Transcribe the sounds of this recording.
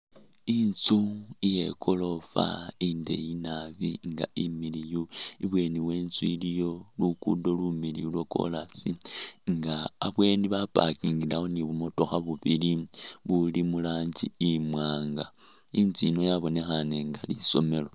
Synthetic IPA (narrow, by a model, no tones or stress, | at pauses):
int͡suije̞ko̞lo̞fa̰inde̞̰jinaβiŋɡa̰imilijuiβwe̞ːniwe̞ːnt͡suilijo̞lukudo̞lumilḭuloko̞̰lasiŋɡaːβwe̞ːndiβapa̰kiŋɡilaoniβumo̞to̞xaβuβiliβulimulaːɲd͡ʒiimwaːŋɡa | int͡suinojaβo̞ne̞xaneŋɡaliso̞me̞lo̞